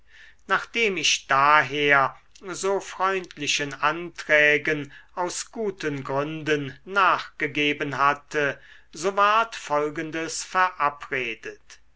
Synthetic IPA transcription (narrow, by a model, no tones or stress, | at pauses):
naːχd̥eːmɪʃd̥aːɦeːɐ | zoːfʁ̥ɔʏntʰlɪʃənʔantʁ̥ɛːɡənaʊsɡ̥uːtʰənɡʁʏndənːaːχɡ̥əɡeːbənɦatʰə | zoːvaɐtfɔlɡəndəsfɛɐʔapʁeːdət